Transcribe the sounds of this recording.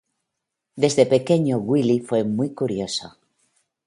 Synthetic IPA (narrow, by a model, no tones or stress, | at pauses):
d̪e̞zðepe̞ke̞ɲoɣwilifwe̞mujkuɾjo̞so̰